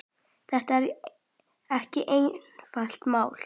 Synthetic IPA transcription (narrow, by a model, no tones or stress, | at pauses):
θɛht̪aɛɾ | ɛhcɪʔejnfal̥t̪maːwl